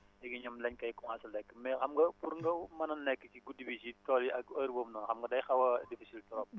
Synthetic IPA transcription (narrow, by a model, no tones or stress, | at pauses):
ɛɡiɲɐmlɛɲkɐjkŋasɐlɛkːmɛxɐmɡɐpuɾŋɡɐmɐnɐnɛkːət͡ʃiɡudibisitɔliɐkɐɾbomnɔnxɐmɡɐdɐjxɐwɐdifisiltɔɾɔp̚